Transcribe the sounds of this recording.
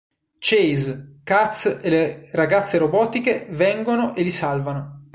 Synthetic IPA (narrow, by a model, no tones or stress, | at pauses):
t͡ʃejzkat̪seleraɡat̪sːeɾobɔːt̪ikevɛŋɡonoʔelisalvano